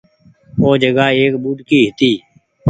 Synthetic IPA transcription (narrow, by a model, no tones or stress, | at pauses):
oːd͡ʒəɡaːeːkɓuːd̪kiːɦɪt̪iː